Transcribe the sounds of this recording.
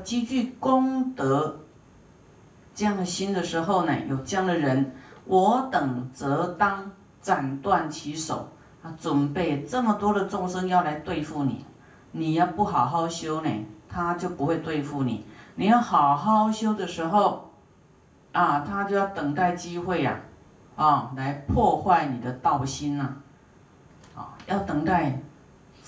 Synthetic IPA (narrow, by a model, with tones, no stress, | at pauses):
t͡ɕi˥t͡ɕy˥˩ko˥˦ŋt̪ə˧˦ | t͡sɤ˥˧jɑ˥˩ŋd̪ə˩ɕi˥nd̪ə˨ʂɻ̩˧˥ɦo˥˧ʊnḛ˨˩jo˨˩ʊʈ͡ʂɤ˥˧ja˥˩ŋd̪ə˨ɻə˧˦nwʔɔ˨˧˥t̪ə˨˩ŋt͡sɤ˧˥˦t̪ɑ˥ŋ | t͡sa˨˩nt̪wa˥˨nt͡ɕʰi˧˥ʂo̰˨˩˦ʊ | a˧˩t͡swə˨˩npe˥˩ɪt͡sə˥˩mə˨t̪wɔ˥d̪ə˨t͡sʊ˥˩ŋʂə˦ŋjɑ˥˩ʊla˧˦ɪt̪we˥˧ɪfu˥˩nḭ˨˩ | ni˨˩jɑ˥˧ʊpu˥˩ɦɑ˨˩ʊɦɑ˥˩ʊɕjo˥ʊnḛ˨˩t̪ʰa˦t͡ɕjo˥˩ʊpu˧˦xwe˥˧ɪt̪we˥˧ɪfu˥˩nḭ˨˩nĩ˨ja˥˩ʊha˨˩ʊɦa˥˧ʊɕjo˥ʊd̪ə˨ʂɻ̩˧˦ɦo˥˧ʊ | a˨˩t̪ʰa˦t͡ɕjo˥˧ja˥˩ʊt̪ə˨˩ŋt̪a˥˩ɪt͡ɕi˦xwe˥˩ɪa̰˨ | ɔ˨la˧˦ɪpʰwɔ˥˧xwa˥˩ɪnĩ˨˩d̪ə˨t̪a˥˩ʊɕi˦na˨ | ɔ̰˨ja˥˩ʊt̪ə˨˩ŋk̪a˥˩ɪ